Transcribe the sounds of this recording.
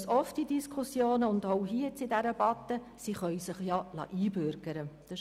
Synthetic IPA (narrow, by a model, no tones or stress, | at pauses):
sɔftidiskʰʊsjoːnəʊnd̪oʊɦiət͡sɪdæɾəb̥ɑt̪ːə | siχœɥsɪχjɑlɑ̰ʔiːbɾɡ̥əɾəd̥ə